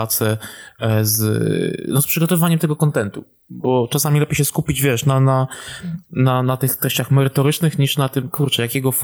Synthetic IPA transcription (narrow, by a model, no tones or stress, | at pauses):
at̪sɛ | z | nɔspʂɨɡɔt̪ɔvɨvaɲɛmt̪ɛɡɔkɔnt̪ɛnt̪ṵ | bɔt͡ʂasamʲilɛpʲjejɕɛskupʲid͡ʑvʲjɛʂnana | nanat̪ɘxt̪ɾɛɕt͡ɕaxmɛɾɘt̪ɔɾɘt͡ʂnɘxɲiʂnat̪ɘmkuɾt͡ʂɛjakʲɛɡɔf